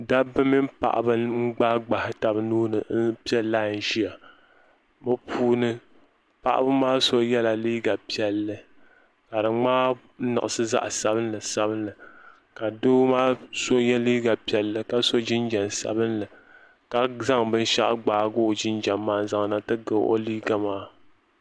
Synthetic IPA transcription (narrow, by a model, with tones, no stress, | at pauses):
da˦bɨ˦mi˦mpa̰˨ʔa̰˨bɨ˦ŋ͡m̩˦ɡ͡ba˦ɡ͡ba˨hɪ˦ta˨bnuː˦nɨ˨˦pi˦ɛ˦laː˦˨n̩˨ʒi˦a˨ | mo˦pʰuː˦nɨ˦ | pa˨ʔa̰˦bɨ˦maː˦so˦jɛ˦la˨liː˦ɡa˨pi˦ɛ˦lːɨ˦ | ka˨dɨ˨ŋ͡maː˦ | nɨ̰˨ʔɨ˨sɨ˦za̰˦ʔsa˦bɨ˦nlɨ˨sa˦bɨ˦nlɨ˨ | ka˨do˦maː˦so˦jɛ˦liː˦ɡa˨pi˨ɛ˨lːɨ˦ka˦so˦d͡ʒɪ˦nd͡ʒa˨nsa̰˨bɨ˦nlɨ˨ | ka˨za˦ŋbɨ˦n˦ʃa˦ʔɡ͡baː˨˦ɡo˦˨d͡ʒɪ˦nd͡ʒa˨mːaː˦za˨ŋna˦tɨ˦ɡɨ˨˦ʔo̰˦liː˦ɡa˨maː˦